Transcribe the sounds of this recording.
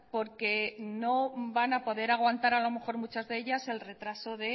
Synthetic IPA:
po̞ɾke̞no̞banapo̞ðe̞ɾaɣ̞want̪aɾalo̞me̞xo̞ɾmut͡ʃazðeeʎase̞lre̞t̪ɾaso̞ðe̞

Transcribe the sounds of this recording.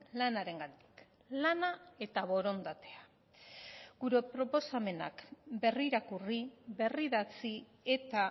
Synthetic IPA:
lanaɾe̞ŋɡand̪i̥k | lanae̞t̪aβo̞ɾo̞nd̪at̪e̞a | ɡ̥uɾe̞pɾo̞po̞same̞na̰kbe̞riɾakuriβe̞riðat͡si | e̞t̪a

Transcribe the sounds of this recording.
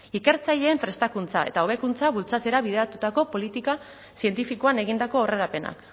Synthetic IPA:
ike̞ɾt͡saʎe̞ːɱfɾe̞st̪akunt͡sae̞̰t̪ao̞βe̞kunt͡saβult͡sat͡se̞ɾaβið̞e̞ɾat̪ut̪ako̞po̞lit̪ika | sie̞nt̪ifikoane̞ɣind̪ako̞ore̞ɾape̞na̰k

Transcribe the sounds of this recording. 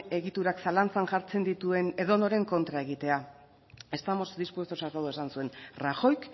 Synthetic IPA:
e̞ɣit̪uɾaksalant͡saŋʝaɾt͡se̞nd̪it̪ue̞ne̞ðo̞no̞ɾe̞ŋko̞nt̪ɾae̞ɣ̞it̪e̞a | e̞st̪amo̞zd̪ispwe̞st̪osat̪aðoesansue̞nraxo̞jk

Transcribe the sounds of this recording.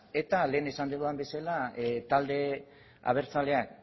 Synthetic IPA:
e̞t̪ale̞ːnesand̪eðuambe̞salat̪ald̪e̞ | a̰β̞e̞ɾt͡sale̞ak

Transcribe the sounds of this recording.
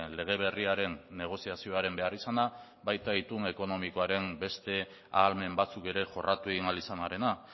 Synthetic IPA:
nle̞ɣ̞e̞β̞e̞riaɾe̞nːe̞ɣ̞o̞siasio̞aɾe̞mbe̞arisana | bajt̪ait̪une̞ko̞no̞miko̞aɾe̞mbe̞st̪e̞ | aːlme̞mbat͡suke̞ɾe̞ʝo̞rʔat̪ueɣinalisanaɾe̞na

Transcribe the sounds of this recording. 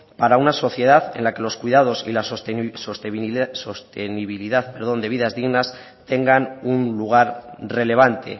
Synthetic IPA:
paɾaunaso̞θje̞ð̞aθe̞̰nlake̞lo̞skwiðað̞o̞sḭlasoso̞st̪esost̪eniβiliðaθpe̞ɾð̞o̞nd̪e̞βiðazðiɣnas | t̪e̞ŋɡanunluɣ̞aɾre̞le̞β̞ant̪e̞̰

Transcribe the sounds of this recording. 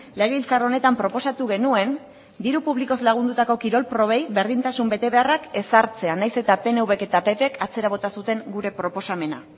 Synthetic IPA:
leɣeilt͡saro̞ne̞t̪ampɾo̞po̞sat̪uɣe̞nue̞n | d̪iɾupuβliko̞zlaɣ̞und̪ut̪ako̞kiɾo̞lpɾo̞β̞e̞jβe̞ɾðint̪asumbe̞t̪e̞βe̞arake̞saɾt͡se̞anajse̞t̪ape̞ne̞uβe̞ke̞t̪ape̞pekʰat͡se̞ɾaβ̞o̞t̪asut̪e̞ŋɡuɾe̞pɾo̞po̞same̞na̰

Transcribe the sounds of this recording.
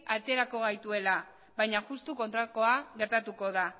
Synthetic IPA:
at͡s̪e̞ɾako̞ɣ̞ajt̪ue̞la | βajɲaʝust̪uko̞nt̪ɾako̞aɣe̞ɾt̪at̪uko̞ða

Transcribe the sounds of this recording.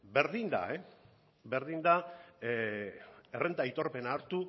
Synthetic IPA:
be̞ɾðind̪a̰e | be̞ɾðind̪a | erʔe̞nd̪ait̪o̞ɾpe̞naːɾt̪u

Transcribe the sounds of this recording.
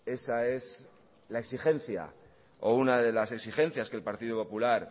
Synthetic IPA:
e̞sae̞s | laeksiχe̞n̟θja̰ | o̞̰unaðe̞lase̞ksiχe̞n̟θjaske̞lpaɾt̪iðopo̞pulaɾ

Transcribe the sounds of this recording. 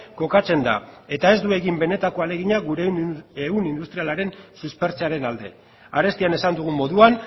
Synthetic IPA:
ko̞kat͡se̞nd̪a̰e̞t̪ae̞zd̪ue̞ɣimbe̞ne̞t̪ako̞ale̞ɣ̞iɲaɣuɾeeunind̪ust̪ɾialaɾe̞nsuspe̞ɾt͡seaɾe̞nald̪e̞ | aɾe̞st̪iane̞sand̪uɣ̞umo̞ðuan

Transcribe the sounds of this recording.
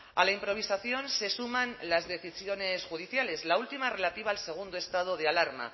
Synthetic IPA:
alaimpɾo̞β̞isaθjo̞nse̞sumãnlazðe̞θisjo̞ne̞sxuð̞iθjale̞zlault̪imare̞lat̪iβaːlse̞ɣ̞und̪oe̞st̪að̞o̞ð̞ealaɾma̰

